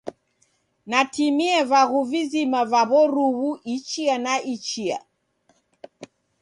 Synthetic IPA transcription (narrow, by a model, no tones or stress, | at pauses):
natimiɛvaɣuvizimavaβɔɾuɣuʔit͡ʃianaʔit͡ʃia̰